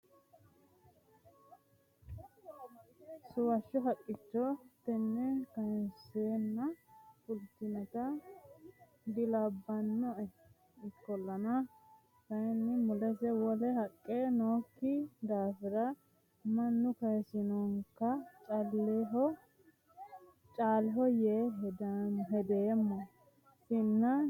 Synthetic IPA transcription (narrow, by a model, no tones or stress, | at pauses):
sʊwɐʃːɔɦɐkʼːɪt͡ʃːɔt̪ɛnːɛkɐjnseːnːɐfʊlt̪ːɪnɛt̪ɐ | d̪ɪlɐbːɐnːɔʔɛ | ɪkːɔlːɐnɐ | kɐnːɛmʊlɛsɛwɔlɛhɐkʼːenoːkːɪd̪aːfɪɾɐ | mɐnːʊkɐjsɪnɔŋkːɐt͡ʃʼɐlːeːɦɔ | t͡ʃʼaːlɦɔjeːɦɛd̪ɦɛd̪eːmːɔ | sɪnːɐ